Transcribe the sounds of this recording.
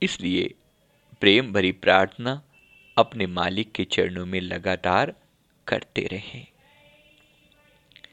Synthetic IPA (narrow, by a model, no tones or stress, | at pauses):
ɪsliḛ | pɾeːmbʱɐɾipɾaːɾt̪ʰəna | ɐpnemaːlɪkːet͡ʃɐ̰ɾnõmẽlɐɡaːt̪aːɾ | kɐ̰ɾt̪ḛɾɐɦẽː